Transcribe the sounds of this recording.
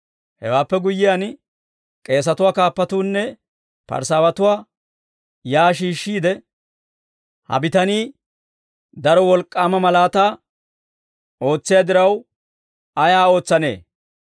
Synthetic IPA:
hɛ̰waːpːɛɡʊjːɪjan | kʼe̞ːs̬ɐt̪ʊwaːkaːpːɐt̪uːnːɛ | pɐ̰ɾsaːwɐt̪ʊwaː | jaːʃ̬iːʃːiːd̪ɛ | hɐ̰bɪt̪ɐniː | d̪ɐɾɔwɔlkʼːaːmɐmɐlaːt̪aː | o̞ːt͡sːɪjaːd̪ɪɾɐw | ɐjaːo̞ːt͡sːɐne̞̰ː

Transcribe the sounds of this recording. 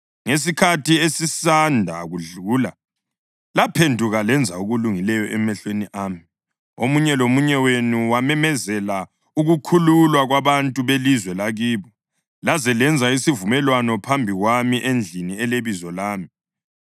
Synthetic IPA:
ŋes̬ikʰatʰiesisandʱa̰ɣuɮuːla | lapʰendʱuɣalɛnd͡zʱauɣuluŋilɛjɔʔɛmɛɬweniʔaːmi | omuɲɛlomuɲɛwenuwamɛmɛzɛla | uɣukʰululwaɣwaβantʼuβelizwɛlaɣiːβɔ | lazɛlɛnd͡zʱaisivumɛlwanɔpʰambʱiɣwamiʔend͡ɮʱiniɛleβizɔlaːmi

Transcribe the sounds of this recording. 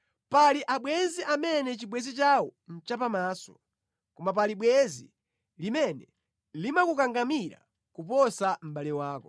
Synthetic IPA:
paliʔaɓwɛziʔamɛnɛt͡ʃiɓwɛzit͡ʃawɔn̩t͡ʃapamaːsɔ̥ | kɔmap̬aliɓwɛzḭ | limɛnɛ | limakukaŋɡamiɾa̰ | kupɔsam̩ɓaliwaːkɔ

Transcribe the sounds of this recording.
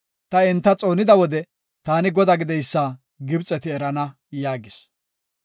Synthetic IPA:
t̪ɐɛnt̪ːɐt͡sʼo̞ːnɪd̪ɐwɔd̪ɛ | t̪aːnɪɡɔd̪aɡɪd̪ɛjsːaː | ɡɪbt͡sʼːɛt̪ɪɛɾɐnɐ | jaːɡɪs

